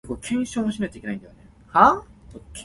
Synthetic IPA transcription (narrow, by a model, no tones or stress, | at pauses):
koːkʰẽ̞ɰ̃ɕoːmoɕinakt͡ɕaikenaĩnd̪ajo̰ne | haokʲ